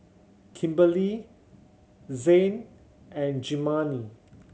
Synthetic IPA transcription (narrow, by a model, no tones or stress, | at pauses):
kʰĩmbəli | zẽn | ɛ̃nd͡ʒimani